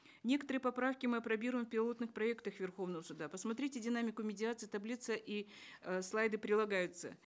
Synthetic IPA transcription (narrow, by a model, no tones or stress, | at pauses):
nʲe̞kət̪əɾɨjəpɐpɾafkʲɪmɨɐpɾɐbʲiɾʊjmfpʲɪlˠo̞t̪nɨxpɾɐekt̪əxvʲɪrxo̞vnəvəsʊd̪apəsmɐt̪ɾʲitʲɪdʲɪnamʲɪkʊmʲɪdʲɪat̪sɨjt̪ɐblʲit̪səʔislˠajd̪ɨpɾʲɪlˠɐɡajʊt̪sə̰